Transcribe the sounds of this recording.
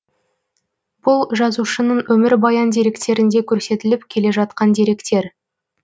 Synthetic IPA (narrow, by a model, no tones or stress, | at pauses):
b̥ʊlˠʒɑzuʃənəɴwʔɵmɪɾbɑjɑnd̪e̞ɾe̞kt̪e̞ɾɪnd̪e̞kʲʰɵɾse̞t̪ɪlɪpkʲʰe̞le̞ʒɑt̪̚qɑnd̪e̞ɾe̞kt̪e̞ɾ